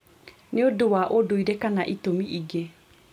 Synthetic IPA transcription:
neodowaʔodoiɾekanaʔitomiʔiɡe

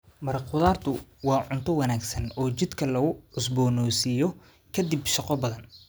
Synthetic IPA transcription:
mɐɾɐqʊðaːrt̪ʰʊwɑːʕʊnt̪ʰɔwɐnaːɡsɐnɔːt͡ʃɪd̪kʰɐlɐɣʊʕʊsbɔːnɔːsɪjɔ | kʰɐd̪ibʃɑqɔbɐðɐn

